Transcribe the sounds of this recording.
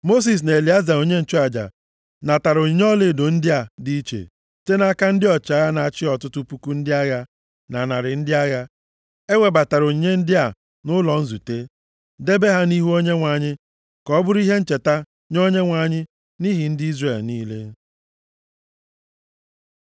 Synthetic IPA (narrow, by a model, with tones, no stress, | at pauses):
mo˦s̬i˨s̬ne˨e˨li˨˦a˦za˨o˨ɲe˦n̩˨t͡ʃu˦a˨d͡ʒa̰˨ | na˨ta˨ɾo˨ɲ˦ɔ˦le˨do˨n̩˦dɪ˦a˨di˦i˦t͡ʃḛ˨ | te˦na˦ka˦n̩˦dɪ˦ɔ˨t͡ʃa˦ja˦na˨a˦˨t͡ʃɪ˦ɔ˨tʊ˦tʊ˦pu˦ku˦n̩˦dɪ˦a˦ja˦ | na˨na˨ɾɪ˨n̩˦dɪ˦a˦ja˦ | e˦ŋʷe˨ba˨ta˨ɾo˨ɲe˦n̩˦dɪ˦a˨ | nʊ˦lɔ˨n̩˦zu˨te˦ | de˦be˦ɦa˦ni˦ɦu˦o˦ɲe˦ŋʷa˨ɲɪ˦ | kɔ˦bʊ˦ɾi˦ɦe˦n̩˦t͡ʃe˨ta˦ | ɲo˦ɲe˦ŋʷa˨ɲɪ˦ | ni˦ɦi˨n̩˦di˦zre˨lniː˦le˦